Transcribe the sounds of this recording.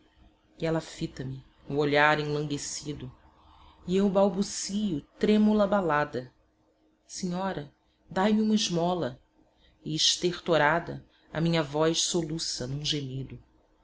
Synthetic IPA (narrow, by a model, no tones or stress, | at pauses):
ɛlɐfit̪ɐmɪ | uoʎaɾẽlɐ̃ŋɡesid̪ʊ | iewbawbusijʊt̪ɾẽmulɐbalad̪ɐ | seɲɔɾɐ | d̪ajmɪũmɐɪʒmɔlɐ | ɪːʃt̪eχt̪oɾad̪ɐ | ɐ̰mĩɲɐvɔjʃsolusɐnũʒemid̪ʊ